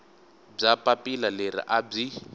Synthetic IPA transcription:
b͡ʐapʼapʼilaleɾḭʔab͡ʐi

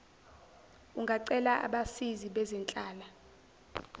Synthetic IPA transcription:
uŋɡʱaǀɛlaʔa̰ɓasiziɓɛzɛnt͡ɬʼaːla

